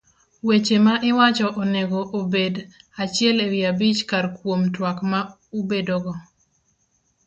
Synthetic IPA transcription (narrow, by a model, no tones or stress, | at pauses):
wet͡ʃemaʔɪwat͡ʃɔʔɔnɛɡɔʔobedat͡ʃɪɛlewjabit͡ʃkarkwomtwakma | ubedɔɡɔ